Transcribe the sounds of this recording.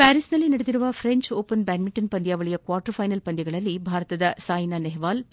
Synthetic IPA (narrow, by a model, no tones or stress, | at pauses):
pæːɾisnɐlːinɐɽɐd̪iɾuʋɐfʰɾeɲt͡ʃoːpɐnbæːnmiɳʈɐnpɐnd̪ijaːʋɐɭijɐkʋaːɾʈɐɾfʰɐjnɐlpɐnd̪jɐɡɐɭɐlːibʱaːɾɐt̪ɐd̪ɐsaːjnaneɦʋaːl